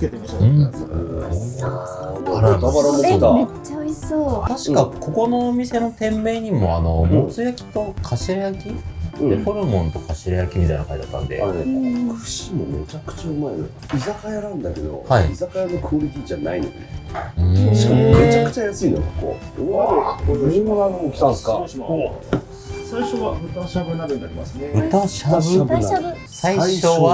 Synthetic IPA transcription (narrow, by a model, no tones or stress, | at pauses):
ket̪emaɯ̃ | aɾaaaɾaeiaet͡ɕaoisoːt̪aɕi̥kako̞ko̞no̞ːmʲise̞no̞t̪ẽ̞mːe̞ːɲ̟imo̞ano̞mot͡sɨjakʲi̥t̪o̞kʰaɕiɾajakʲĩ̥epoɾɯ̟mõ̞nt̪o̞kaɕiɾajakʲimʲit̪a̰inakait̪at̪ːã̰nd̪e̞̰aekɯɕimome̞̰t͡ɕakɯ̟̥t͡ɕaɯmaeno̰ | izakajaɾãnd̪ake̞d̪o̞̰haiizakajanokʰoːɾʲikid͡ʑana̰ino̰d̪ḛɯ̃ɕi̥kamet͡ɕakɯ̟̥t͡ɕajasɨino̰kokːo̰ | koaokʲi̥ãskao | saiɕoβaɸɯ̟t̪aɕabɯnabɯnːaɾʲima̰sɨneɸɯ̟t̪aɕabɯaaɯ | saiɕoβa